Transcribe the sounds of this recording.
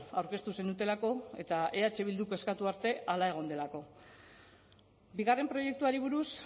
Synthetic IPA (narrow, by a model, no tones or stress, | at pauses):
awɾke̞st̪use̞nd̪ut̪e̞lako̞e̞̰t̪aʔe̞at͡ʃe̞β̞ild̪uko̞e̞skat̪uaɾt̪e̞alae̞ɣ̞o̞nd̪e̞lako̞ | biɣ̞are̞mpɾo̞je̞k̚t̪uaɾiβ̞uɾus